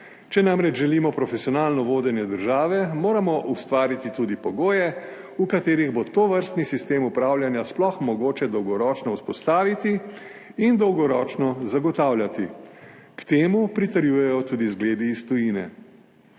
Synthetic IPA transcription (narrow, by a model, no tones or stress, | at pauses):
t͡ʃɛnamɾɛd͡ʒʒɛliːmɔpɾɔfɛsiɔnaːlnɔʋoːd̪ɛnjɛd̪əɾʒaːʋɛmoːɾamɔʔust̪ʋaːɾit̪it̪ud̪ipɔɡoːjɛ | ukat̪eːɾiɣbot̪oʋəɾst̪nisist̪eːmupɾaːwlʲjanjasplɔxmɔɡoːt͡ʃɛd̪ɔwɡɔɾɔːt͡ʃnɔuspɔst̪aːʋit̪iː | nd̪ɔwɡɔɾɔːt͡ʃnɔzaɡɔt̪aːwlʲjat̪ikt̪eːmupɾit̪əɾjuːjɛjɔt̪uːd̪izɡleːd̪iːst̪ɔjiːnɛ̰